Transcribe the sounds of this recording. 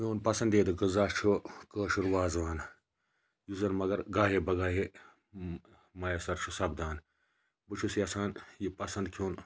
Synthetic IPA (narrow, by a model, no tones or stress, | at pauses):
mʲoːnpɐsɐnd̪eːd̪ɨɡɨzaːt͡ʃʰukəːʃuɾʋaːzʋaːn | juzɐnmɐɡɐɾɡaːɦebɐɡaːɦe | mɐjɐsɐɾt͡ʃʰusɐbd̪aːn | bɨt͡ʃʰusiɐsaːnjipɐsɐnd̪kʰjoːn